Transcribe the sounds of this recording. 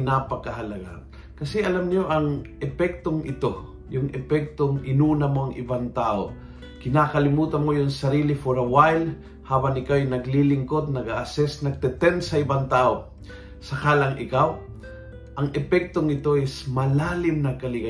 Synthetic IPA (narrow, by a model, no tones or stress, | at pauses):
napɐkɐɦɐlɐɡa̰ | kɐsɛʔɐlamɲoʔɐŋʔɛpɛk̚t̪oŋʔɪt̪o̞ | jʊŋɛpɛk̚t̪oŋʔɪnuːnɐmoɐŋʔɪ̰baŋt̪aːʔo | kɪnakɐlɪmuːt̪ɐnmojʊŋsɐɾiːlɪfoɾɐwajl | haːbɐŋɪkawjnɐɡlilɪŋkot̪̚nɐɡaʔɐsɛsnɐɡ̚t̪ɛt̪ɛnsɐɪbaŋt̪aːʔo | sɐkalɐŋʔɪkaw | ʔɐŋɛpɛk̚t̪oŋɪt̪o̞ʔɛsmɐlaːlɪmnɐkɐlɪɡa